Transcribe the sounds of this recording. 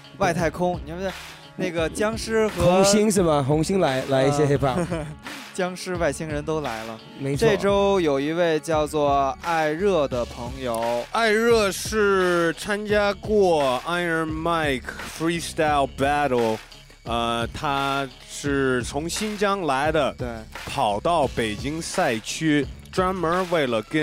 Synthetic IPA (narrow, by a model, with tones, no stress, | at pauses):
wa˥˧ɪt̪ʰa˥˩ɪkʰʊ˥ŋni˨˩˥ | na˥˩ɡə˩t͡ɕjɑ˥ŋʂɻ̩˥xɤ˧ʊ˧˥˧ŋɕi˥ŋʂ̬ɻ̩˥˩mɐ˨xʊ˧˥ŋɕi˥ŋla˧˥ɪla˧˥ɪi˥˩jɛ˥xe˥ɪpʰa˥˩ | t͡ɕjɑ˥ŋʂɻ̩˥wa˥˩ɪɕi˥ŋɻə˧˥nt̪o˥ʊla˧˥ɪlə˧ | me˧˥ɪʂʈ͡ʂe˥˧˩ʈ͡ʂo˥ʊjo˨˩ʊi˧˥we˥˧ɪt͡ɕjɑ˥˧ʊt͡swɔ˥˧˩a˥˧ɪɻɤ˥˩d̪ə˩pʰɤ˧˥ŋjo˨˩ʊa˥˧ɪɻɤ˥˩ʂɻ̩˥˩t͡sʰa˥nt͡ɕja˥kwɔ˥˩a˥ɪə˧˥ma˥˩ɪkʰfɹi˥st̪a˥˧ɪlbæ˥ɾə˥˩l | ə˧t̪ʰa˥ | ʂɻ̩˥˩t͡sʰʊ˧˥ŋɕi˥nt͡ɕjɑ˥ŋla˧˥ɪd̪ə˨t̪we˥˩ɪpʰɑ˨˩ʊt̪ɑ˥˩ʊpe˨˩ɪt͡ɕi˥ŋsa˥˩ɪt͡ɕʰy˥ʈ͡ʂwa˥nmə˞˧˥we˥˩ɪlə˩kə˥